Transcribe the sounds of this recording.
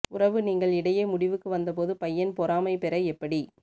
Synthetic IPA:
ʊrɐʋɯniːŋɡɐɭɪɽɐjeːmʊɽɪʋɯkːɯʋɐnd̪ɐp̬oːðɯpɐjːɐnpɔɾaːmɐɪpɛɾɐɛpːɐɽi

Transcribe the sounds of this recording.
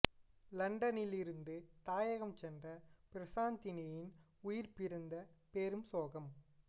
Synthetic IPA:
lɐɳɖɐnɪlɪɾɯnd̪ɯt̪aːjɐɣɐmt͡ʃɛndrɐpɪɾɐsaːnt̪ɪnɐjɪn | ʊjɪɾpɪɾɯnd̪ɐpeːɾɯmsoːɣɐm

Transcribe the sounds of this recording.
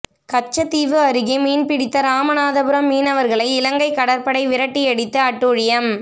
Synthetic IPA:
kɐt͡ʃːɐt̪ːiːʋɯɐɾɯɣimiːnpɪɽɪt̪ːɐɾaːmɐnaːðɐbɯɾɐmːiːnɐʋɐɾɣɐɭɐɪɪlɐŋɡɐɪkːɐɽɐɾpɐɽɐɪʋɪɾɐʈːiɛɽɪt̪ːɯɐʈːuːɻɪjɐm

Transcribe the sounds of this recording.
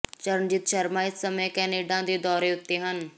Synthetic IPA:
t͡ʃəɾnd͡ʒɪt̪ʃəɾmaːɪt̪səmẽːkɛːneːɖãːd̪eːd̪ɔːɾeːʊtt̪ːeːɦən

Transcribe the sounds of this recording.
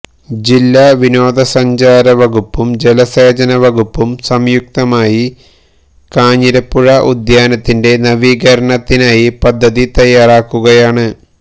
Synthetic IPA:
d͡ʑilːaʋino̞ːd̪ɐsɐɲd͡ʑaːɾɐʋɐɡupːumd͡ʑelɐseːd͡ʑɐnɐʋɐɣupːumsɐmjuk̚t̪ɐmaːji | kaːɲiɾɐpːuɻɐʔud̪jaːnɐt̪ːinde̞nɐʋiːɣɐɾɐɳɐt̪ːinaːjipɐd̪ʱːɐðit̪ɐjːaːraːkːuɣɐjaːɳɨ

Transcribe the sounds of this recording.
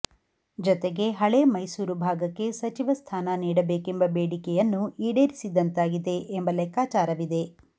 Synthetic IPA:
d͡ʒɔt̪eɡe̞ɦɐɭeːmɐjsuːɾubʱaːɡɐkːe̞sɐt͡ʃiʋɐst̪ʰaːnɐniːɽɐbe̞ːkembɐbeːɽikɛjɐnːuiːɽeːɾisid̪ɐnt̪aːɡid̪e̞ʔːmbɐlɛkaːt͡ʃaːɾɐʋid̪e̞

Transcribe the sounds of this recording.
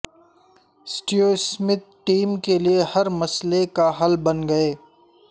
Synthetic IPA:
sʈioːsmɪt̪̚ʈiːmkeliehɐɾmɐslekaɦɐlbɐnɡɐeː

